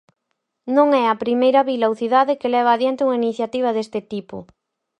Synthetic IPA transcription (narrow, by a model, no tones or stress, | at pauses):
nõŋɛɐpɾimejɾɐβilawθiðaðɪkelɛβ̞ɐːðjent̪ɪuŋainiθjat̪iβ̞ɐðest̪ɪt̪ipʊ̰